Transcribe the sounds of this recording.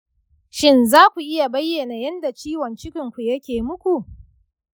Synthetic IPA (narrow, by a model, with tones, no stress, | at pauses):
ʃɪ˦nzaː˦kʷu˨ʔɪ˦ja˨bɐ˦jːe˨na˨jɐ˦nda˨t͡ʃiː˦wɐ˨nt͡ʃɪ˦kʲɪ˨ŋkʷu˨jɐ˦kʲeː˨mʊ˦kʷu˨ʔ